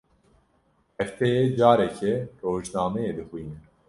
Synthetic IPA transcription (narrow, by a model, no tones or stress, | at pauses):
ɛft̪ʰɛjed͡ʒaːɾɛkʰɛroːʒnaːmɛjeːd̪ɨxwiːnɛ